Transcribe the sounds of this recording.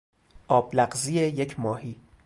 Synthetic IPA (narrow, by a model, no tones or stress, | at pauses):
ʔɒːblæɢziːjejecʰmɒːhiː